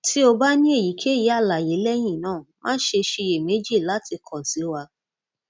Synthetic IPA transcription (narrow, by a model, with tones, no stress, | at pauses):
tʰi˦o˧ba˦nĩ˦e˦˨ji˨˦kʰe˦˨ji˨˦a˦˨la˨je˨˦lɛ˦j̃ĩ˦˨nãː˦˨mã̰ː˦n̩˦ʃe˧ʃe˧e˨me˨˦d͡ʒi˦˨la˨˦tʰi˧kʰɔ̃˨n̩˨si˨˦wa˧